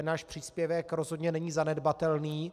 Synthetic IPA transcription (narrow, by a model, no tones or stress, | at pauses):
naːʃpr̝̥iːspjɛvɛkɾozɦodɲɛnɛɲiːzanɛdbat̪ɛlniː